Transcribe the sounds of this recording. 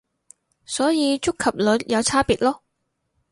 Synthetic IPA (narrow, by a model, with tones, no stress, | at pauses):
sɔː˨˥jiː˨˧t͡ʃʊ˥kʰːɐ˨p̚lɵ˨˧t̚jʔɐ˨˧wt͡sʰaː˥piː˨˩t̚lɔː˥